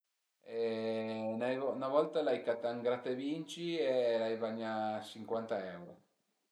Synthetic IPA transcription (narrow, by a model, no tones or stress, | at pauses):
ɛ | najvɔnavɔlt̪alajkat̪ːaŋɡɾat̪evint͡ʃielajvaɲːat͡ʃiŋkwant̪aɛwɾo